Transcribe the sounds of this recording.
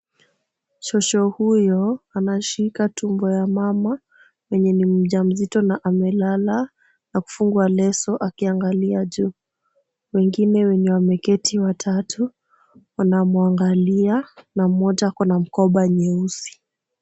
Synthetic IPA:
ʃɔʃɔhujɔanaʃikatʰumbɔjamama | wɛɲɛnim̩ʄam̩zitɔnaʔamɛlala | naku̥fuŋɡualɛsɔʔakiaŋɡaliaʄu | wɛŋɡinɛwɛɲɛwamɛkɛtʰiwatʰatʰu | wanamuaŋɡalianamɔtakɔnam̩kɔɓaɲɛusi̥

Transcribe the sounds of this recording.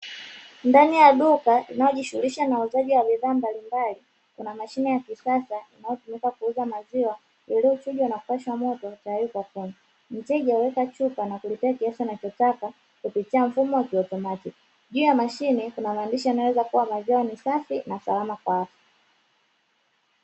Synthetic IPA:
ndanijaɗukaʔinajɔʄiʃuliʃanauzaʄiwaɓiðaːmbalimbali | kunamaʃinɛjakisasainajɔtumikakuuzamaziwa | jɛliut͡ʃuʄwaunakuwaʃwamɔtɔt͡ʃajukwakuna | n̩t͡ʃɛʄauwɛkat͡ʃupanakulitɛakiasɔinat͡ʃɔtaka | kupitiaɱ̩fumɔwakiɔtɔmatik | ʄuːjamaʃinikunamaːndiʃijanawɛzakuwamaziwanisafinasa̰lamakwaatḁ

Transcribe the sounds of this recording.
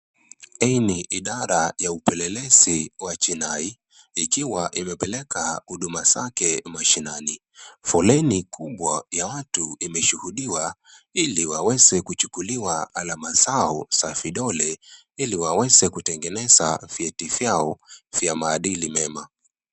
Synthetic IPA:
ɛniʔiɗaɾajaupɛlɛlɛziwat͡ʃinai | ikiwaʔimɛpɛlɛkahuɗumazakɛmaʃinani | fɔlɛnikuɓwajawatuimɛʃuhuɗiwailiwawɛzɛkut͡ʃu̥kuliwaalamazaɔsafiɗɔlɛ | iliwawɛzɛkutɛŋɡɛnɛzafjɛtifjaɔvjamaːɗilimɛma

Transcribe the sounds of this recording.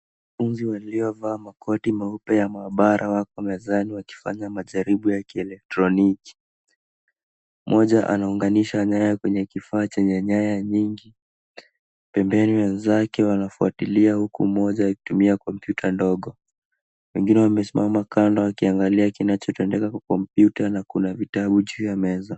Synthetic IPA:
wnafunziwaliɔvaːmakʰɔtimaupɛjamaːɓaɾʔawakɔwamɛzaniwaki̥fa̰ɲamaʄaɾiɓujakiɛlɛk̚tɾɔniki̥ | mʔɔʄaʔa̰nauŋɡaniʃaɲajakwɛɲɛkifaːt͡ʃɛɲɛɲajaɲiŋɡi | pɛmbɛniwɛnzakɛwanafuatiliahukṵmɔʄaaki̥tumiakɔmpjutʰandɔɠɔ | wɛŋɡinɛwamɛsimamakandawakiaŋɡaliakinat͡ʃɔtɛndɛkakwakɔmpjutanakunavitaɓuʄuːjamɛza

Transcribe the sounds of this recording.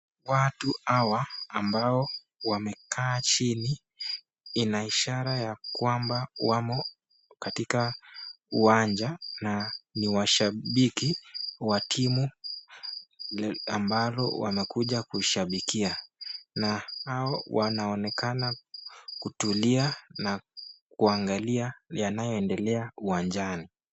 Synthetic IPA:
watuhawaːmbaɔ | wamɛkʰaːt͡ʃini | inaiʃaɾajakwambawamɔ | katika | uaɲd͡ʒananiwaʃaɓikiwatʰimu | ambalɔ̰wa̰mɛkuʄakuʃaɓikianahaɔwʔanaɔnɛkanakutulianakuaŋɡaliajanajɔɛndɛlɛauwand͡ʒani

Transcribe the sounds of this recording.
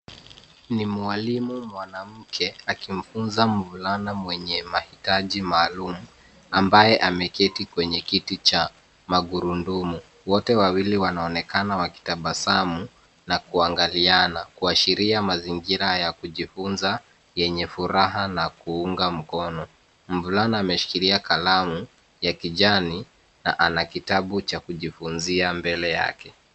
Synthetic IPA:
nimualimumwanam̩kʰɛakim̩funzam̩vulanamwɛɲɛmahitaʄimaːlumu | ambajɛʔamɛkɛtikwɛɲɛkitit͡ʃa | maɡuɾundumu | wɔtɛwawiliwanaɔnɛkanawaki̥taɓasamu | nakuaŋɡalianakuaʃiɾiamaziŋɡiɾajakuʄifunza | jɛɲɛfuɾaɦanakuuŋɡam̩kɔnɔ | m̩vulanaːmɛʃi̥kiɾiakalamu | jakiʄani | na̰ʔanakitaɓut͡ʃakuʄifunziambɛlɛja̰kɛ

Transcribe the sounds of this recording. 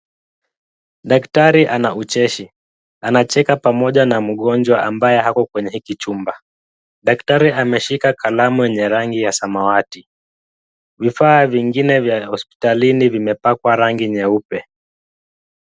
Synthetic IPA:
ɗaktaɾiʔanaut͡ʃɛʃi | anat͡ʃɛkapamɔʄanam̩ɠɔnd͡ʒwaʔambajɛhakɔkwɛɲɛhikit͡ʃumba | ɗaktaɾiamɛʃikakʰalamujɛɲɛɾaŋɡijasamawati | vifaːviŋɡinɛvjahɔspi̥talinivimɛpakwaɾaŋɡiɲɛupɛ

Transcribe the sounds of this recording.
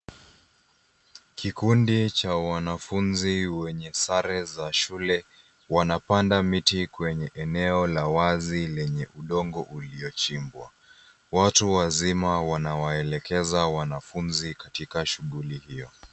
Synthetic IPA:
kʰikundit͡ʃawanafunziwɛɲɛsaɾɛzaʃulɛ | wanapandamitikwɛɲɛʔɛnɛɔlawazilɛɲɛʔuɗɔŋɡɔʔuliɔt͡ʃimbwa̰ | watuwazimawanawaɛlɛkʰɛzawanafunzikatikaʃuɠulihijɔ

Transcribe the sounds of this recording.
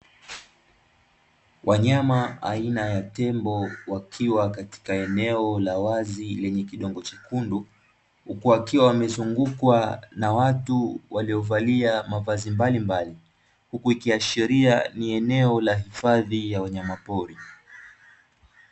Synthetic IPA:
wʔaɲamaa̰inajatɛmbɔwakʰiwakati̥kaɛnɛɔlawazilɛɲɛkiɗɔŋɡɔt͡ʃikundu | hukuwakiwawamɛzuŋɡukwanawatuwaliɔvaliamavazimbalimbali | hukuikiaʃiɾianiɛnɛɔlaɦifaðijawaɲamapɔɾi

